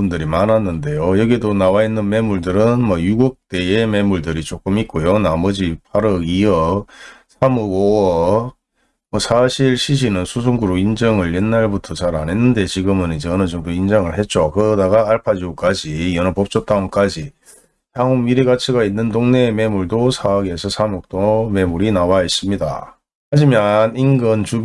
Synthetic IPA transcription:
undɯɾimanɦanːɯnde̞jojʌɡiedonawainːɯnme̞muɭdɯɾɯnmʌjuɡuk̚t͈e̞e̞me̞muɭdɯɾit͡ɕok͈ɯmit̚k͈ojonamʌd͡ʑipʰaɾɯɡiʌsʰamɯɡo | mʌsʰaɕʰiɭɕʰiɕ̬ʰinɯnsʰus̬ʰuŋɡuɾoind͡ʑʌŋɯɭje̞nːaɭbutʰʌt͡ɕaɾane̞nːɯnde̞t͡ɕiɡɯmɯnid͡ʑeʌnɯd͡ʑoŋdoind͡ʑʌŋɯɭhe̞t̚t͡ɕ͈okɯʌdaɡaːɭpʰad͡ʑiuk͈ad͡ʑiʌnʌpʌp̚t͡ɕ͈ʌt͈̚aok͈ad͡ʑi | hʰaŋomiɾiɡat͡ɕʰiɡainːɯndoŋne̞me̞muɭdosʰaɡesʰʌsʰamuk̚t͈ome̞muɾinawais͈ɯmɲida̰ | had͡ʑimjʌninɡɯnt͡ɕu

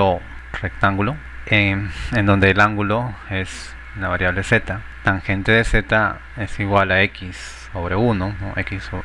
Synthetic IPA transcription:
o | rekt̪aŋɡulo | eend̪ond̪eːlaŋɡuloes | naβaɾjaβleset̪a | t̪aŋxent̪eðeset̪a | esiwwalaekis | oβɾeunono̰ʔḛkiso

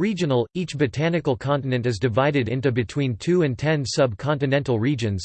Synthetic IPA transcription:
ɹid͡ʒɨnl̩ˠit͡ʃbɨtʰænɨkl̩ˠkʰɑ̃ntɨnɨ̃ntɨzdɨvaɪɾɨɾɪ̃ntʉbɨtʰw̥ĩntʰʉɨ̃ntʰɛ̃nsʌb̚kʰɑ̃ntɨnɛ̃ntˡl̩ˠɹid͡ʒɨ̃nz̥

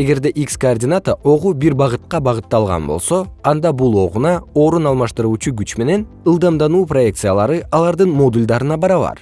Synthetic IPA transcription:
e̞ɡe̞ɾd̪e̞ʔikskoːrdʲɪnat̪əʔo̞ʁubiɾbɑʁɯt̪̚qɑbɑʁɯt̪ːɑlˠʁɑ̰nbo̞̰lˠso̞ɑnd̪ɑbulˠo̞ʁunɑo̞ːɾunɑlˠmɑʃt̪ɯɾuːt͡ʃuɡyt͡ʃme̞ne̞n | ɯlˠd̪ɑmd̪ɑnuːproje̞kt̪sɨjalˠɑɾɯɑlˠɑɾd̪ɯnmo̞d̪ulʲd̪ɑɾɯnɑbɑɾɑβɑ̰ɾ

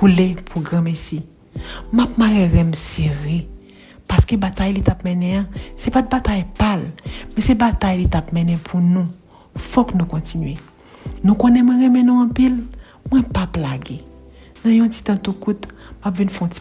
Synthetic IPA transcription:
kulepʰuɡʁãmɛsi | map̚maɣeɣɛmseɣe | paskebat̪ajlit̪apmɛ̃nɛ̃ãsɛpat̪̚bat̪ajpalmɛ̃sɛbat̪ajlit̪apmɛ̃nɛ̃pʰunũ | fɔknũkɔ̃tinɥe | nũkonɛ̃mw̃ɛ̃ɣɛmɛnũɐ̃pil | mw̃ɛ̃paplaɡe | nãjɔ̃ti̥t̪ãt̪ukut̪mapvinfɛ̃õti̥

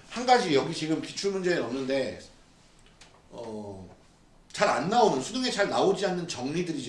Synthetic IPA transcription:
hanɡad͡ʑijʌɡit͡ɕiɡɯmki̥t͡ɕʰuɭmund͡ʑeenʌmnɯnde̞ | ʌ | t͡ɕaɾa̰nːaonɯnsʰuduŋe̞t͡ɕaɭnaod͡ʑianːɯnt͡ɕʌŋɲidɯɾid͡ʑ

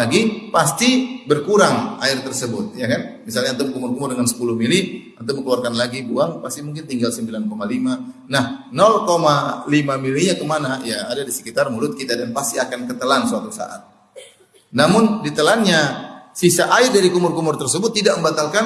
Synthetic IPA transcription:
aɡipast̪ibərkuɾaŋa̰ɪrt̪ərsəbʊt̪̚jakanmisalɲant̪abəkumʊrkumʊrdəŋansə̥puluhmiliənt̪aməŋkluarkanlaɡibuaŋpast̪imuŋk̬ɪnt̪iŋɡalsəmbilankomalimanahnɔlkomalimamiliɲakəmanajaːdadisə̥kit̪armulʊt̪̚kit̪adanpast̪iakankət̪əlansəat̪usa̰ʔa̰t̪̚ | namʊndit̪əlanɲasisaʔaɪrdaɾikumʊrkumʊrt̪ərsəbʊt̪ːidaʔ̚məmbat̪alkan

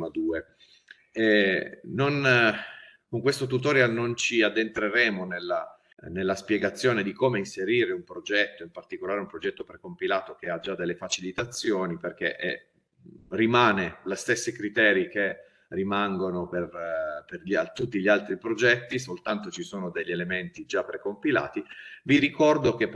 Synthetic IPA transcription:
mad̪uːe | ɛnon | koŋkwest̪ot̪̬ut̪̬oːɾeanont͡ʃiad̪ːent̪ɾeɾɛːmonelːa | nelːaspjɛɡat̪sːjoːned̪ikomeinseɾiːɾeumpɾod͡ʒɛt̪ːoimpart̪ikolaːɾeumpɾod͡ʒɛt̪ːopɾekompilaːt̪ok̟ead͡ʒad̪ːelːefat͡ʃilit̪at̪sːjoːniperk̟ḛʔɛ̰ | rimaːnelest̪esːekɾit̪ɛːɾike | rimaŋɡonoperperʎat̪ut̪ːiʎialt̪ɾipɾod͡ʒɛt̪ːis̬olt̪ant̪ot͡ʃisoːnod̪eʎːelement̪id͡ʒapːɾekompila̰ːt̪iviɾikɔrd̪ok̟ep

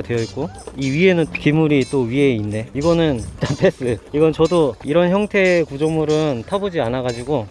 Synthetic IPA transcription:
dwe̞jʌit̚k͈oiɥie̞nɯnkimuɾit͈oɥie̞inːe̞iɡʌnɯntapʰes͈ɯiɡʌnt͡ɕʌdoiɾʌnçjʌŋtʰe̞ːkud͡ʑʌmuɾɯntʰabod͡ʑianaɡad͡ʑiɡo

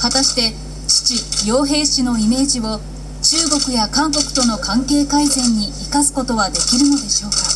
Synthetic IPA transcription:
hat̪aɕi̥t̪e̞ | t͡ɕi̥t͡ɕijo̞ːɦe̞ːɕino̞ime̞ːʑiβo̞ | t͡ɕɨːɡo̞kɯ̟jakãŋko̞kɯ̟̥t̪o̞no̞kãŋke̞ːkaizẽ̞ɲ̟ːiːkasɨ̥ko̞t̪o̞βad̪e̞kʲiɾɯ̟no̞d̪e̞ɕo̞ːka

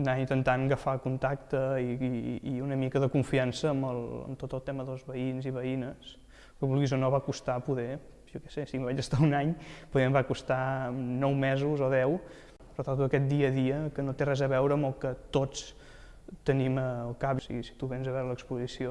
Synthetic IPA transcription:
naint̪ənt̪anɡəfakunt̪ak̚t̪əiiiunəmikəðəkuɱfiansəːmbəlˠə̰mt̪ot̪əlˠt̪ɛməðəlˠzβəinziβəinəs | kəβulˠɣizonoβakust̪apuðɛ | ʒɔkɛsesimβad͡ʒəst̪aunaɲpuðɛmβakust̪amnɔwmɛzuzoðɛw | rət̪aɾðuəkɛt̪̚d̪iəðiəkənot̪erɛzəβɛwɾəːməlˠkət̪ot͡s | t̪əniməlˠkapsḭɣisi̥t̪uβɛnzəβɛɾələkspuzisio

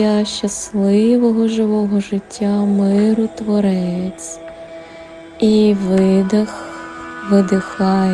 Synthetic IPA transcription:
aʃɐslˠɪʋɔɦɔʒɪʋɔɦɔʒɪtʲːamɪɾʊt̪ʋɔɾɛt͡sʲ | iʋɪd̪ | ʋɪd̪ɪxɑj

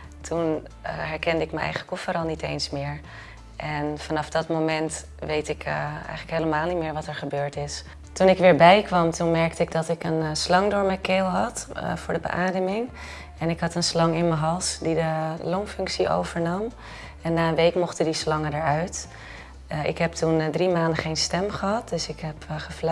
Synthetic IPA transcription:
tʰun | ɦɛɹkɛndəɪkməɛ̰jχəχəkɔfəɾɑlˠnitejnsmɪːɹ | ʔɛnfɑnɑfdɑtmowmɛnt | ʋejtɪkʰɛ̰jχələkɦejləmaːlˠnitmɪːɹʋɑtɛɹχəbøːɹtɪs | tunɪkʋɪːɹbɛjkʋɑmtunmɛɹk̚təɪɡ̚dɑtɪkənslɑŋdʊːɹmɛkeːlˠɦɑtv̥ʊːɹdəbə̰ʔaːdəmɪŋ | ɛnɪkɦɑtənslɑŋɪnməɦɑlˠsdidəlomfɵŋksio̰wv̥əɹnɑm | ɛnːaːənʋejkmɔχtədislɑŋədəɹœɥt | ɪ̰kɦɛp̚tundrimaːndəχejnstɛmχəɦɑt̚d̥ɵsɪkɦɛpχəfl

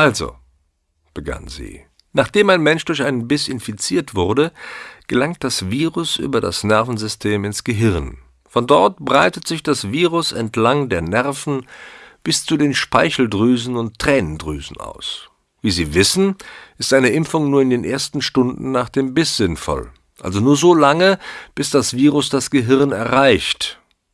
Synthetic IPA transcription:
ʔalzo̰ | b̥əɡa̰nzḭː | naːχd̥eːmaɪnmɛnʃd̥ʊɐçʔaɪnənbɪsɪnfit͡siːɐtv̥ʊʁdəɡ̥əlaŋt̚d̥asv̥iːʁʊsʔy̰ːbɐda̰snɛɐfn̩zʏstʰeːmɪnsɡ̥əɦɪʁn | fɔndɔɐtb̥ʁaɪtətz̥ɪçd̥asv̥iːʁʊsɛntʰlaŋdeːɐnɛʁfn̩b̥ɪst͡sudeːnʃpaɪçl̩dʁyːzn̩ʊntːʁ̥ɛːnəndʁy̰ːzn̩ʔa̰ʊs | viːziːvɪsn̩ʔɪstʔaɪnəʔɪmfʊŋnuːɐɪndeːnʔeːɐstn̩ʃtʊndn̩ːaːχd̥eːmbɪsz̥ɪnfɔ̰l | ʔa̰lzonuːɐzoːlaŋəb̥ɪsd̥asv̥iːʁʊsd̥asɡ̥əɦɪʁnɛɐʁaɪçt

